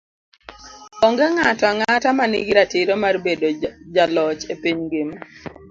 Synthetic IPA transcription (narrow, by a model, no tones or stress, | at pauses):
ɔŋɡɛŋatɔaŋatamanḭɡiɾatiɾomarbedod͡ʒalɔt͡ʃepiɲŋɡem